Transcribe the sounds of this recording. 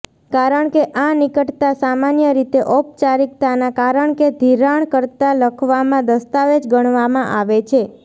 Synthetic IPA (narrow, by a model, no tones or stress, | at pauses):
kaɾəɳkeʔanikəʈt̪asamanjəɾit̪eʔɔp̚t͡ʃaɾik̚t̪anakaɾəɳked̪ʱiɾaɳkəɾt̪aləkʰʋamãd̪əst̪aʋed͡ʒɡəɳ̃ʋamãʔaʋet͡ʃʰe